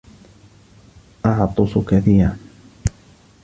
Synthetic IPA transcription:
ʔɑʕt̪ˤʊsʊkaθiːɾan

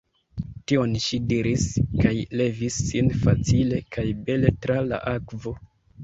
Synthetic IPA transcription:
tio̞nʃidiɾiskajle̞visːinfat͡sile̞kʰajbe̞le̞tɾala̰ʔakvo̞

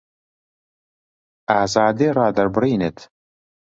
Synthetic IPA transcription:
aːzaːd̪eːrˤɑːd̪ɐɾbɨɾiːnet̪

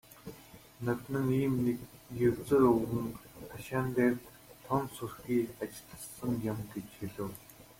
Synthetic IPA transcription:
nat̪nə̆ŋiːmnkjewt͡sɘ̆rɵɣɘ̆ŋt̪ʰaʃaːnt̪eːrt̪ | t̪ʰɔnsurxiːat͡ɕɪ̆ɮɮə̆ɮsə̆ŋjămɡet͡ɕxeɮɘ̆w

